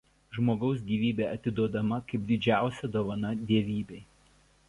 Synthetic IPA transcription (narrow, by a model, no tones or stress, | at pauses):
ʒmoːɡɒʊs̬ɡʲiːʋʲiːbʲeːɐt̪ʲɪd̪uɔd̪ɐmɐkɐɪp̚d̪ʲɪd͡ʒʲæˑʊsʲɛd̪oːʋɐnɐd̪ʲiɛʋʲiːbʲeɪ